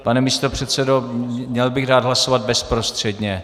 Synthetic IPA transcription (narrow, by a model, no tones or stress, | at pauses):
panɛmist̪opr̝̥ɛt̪sɛdomɲɛlbɪɣdaːd̪ɦlasovad̪̚bɛspɾo̞st̪r̝̥ɛdɲɛ